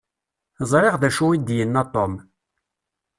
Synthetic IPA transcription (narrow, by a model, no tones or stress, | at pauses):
zˤɾˤeʁðæʃuwid̪jənːat̪ˤːom